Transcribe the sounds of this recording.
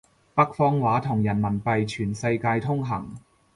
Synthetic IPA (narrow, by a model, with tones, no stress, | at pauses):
pɐ˥k̚fɔː˥ŋwaː˨˥t̪ʰʊ˨˩ŋjɐ˨˩nmɐ˨˩npɐ˧jt͡ʃʰyː˨˩nsɐ˧jkaː˧jt̪ʰʊ˥ŋɦɐ˨˩ŋ